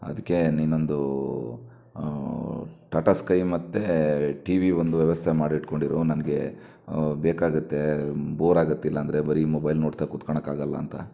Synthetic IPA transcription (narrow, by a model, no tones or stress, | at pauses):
ɐ̰d̪ɐkːe̞niːno̞nd̪u | ʈaːʈɐskɐjmɐt̪ːe̞ʈiʋiʋond̪uʋjɛʋɐst̪ʰemaːɖiʈko̞ɳɖiɾunɐnɐɡe̞ | beːkaːɡut̪ːe̞boːɾaːɡɐt̪ːilːɐːnd̪ɐɾe̞bɐɾimobɐjlnoːɽt̪akut̪kɐɳɐkaːɡɐlːɐ̰ːnt̪ɐ̰